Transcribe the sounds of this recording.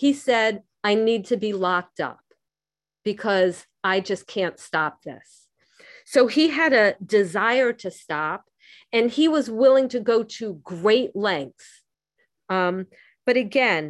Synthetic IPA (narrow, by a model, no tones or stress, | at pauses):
hisɛɾ | aɪnid̚tʰɨbilɑk̚tʌ̰p̚ | b̥ɨkʰʌz | aɪd͡ʒʌskʰæ̃ntstɑp̚ðɪ̰sː | oʊiɨɾɨdɨzaɪə˞ɾɨstɑp̚ | ɨ̃niwʌzwɪlˠɪ̃ŋtʰɨɡoʊɾɨɡɹeɪʔlɛ̃ŋk̚s | ʌ̃ | b̥ʌɾɨɡɛ̃n